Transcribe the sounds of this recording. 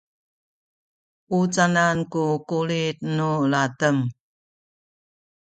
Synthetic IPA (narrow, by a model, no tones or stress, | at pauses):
ut͡sanankukuɭit̪̚nulatəm